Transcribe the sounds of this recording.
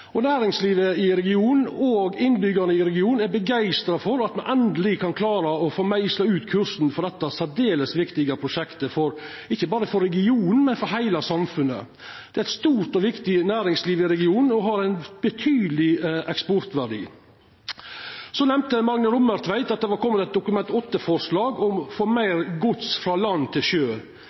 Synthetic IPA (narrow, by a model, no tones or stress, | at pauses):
ɔnæːɾɪŋsliːʋəɪɾɛɡɪuːnn̩oːɡɪnːbʏɡɑɾnəɪɾɛɡɪuːnn̩æɾbəɡæɪst̪ɾɑfɔɾɑt̪mɛnʔɛnd̪əlɪkʰɑnkʰlɑːɾɑɔfoːmæɪslɑʉːt̪kʰʉɾʂn̩fɔd̪ɛt̪ːɑsæd̪eːləsʋɪkt̪ɪɡɑpʰɾʊʃɛkt̪əfɔɾ | ɪçːəbɑːɾəfɔɾːɛɡɪuːnn̩mɛnfɔɾɦæɪlɑsɑmfʉnːə̰ | d̪̥ɛæɾæɪt̪st̪uːɾt̪ɔʋɪkt̪ɪnæːɾɪŋsliːʋɪɾɛɡɪuːn̩ɔɦɑɾæɪnb̥ət̪ʰyːd̪lɪʔɛkspɔɾt̪ʋæɖḭː | sɔnɛmt̪əmɑɾŋnəɾʊmːəɾt̪ʰʋæɪt̪ɑt̪̚d̪ɛʋɑɾkʰɔmːət̪ɛt̪̚d̪ʊkʉmɛnt̪ɔt̪ːəfɔɾʂlɑːɡɔmfoːmæɪɾɡʊt̪sfɾɑːlɑnːt̪ʰɪlʃøː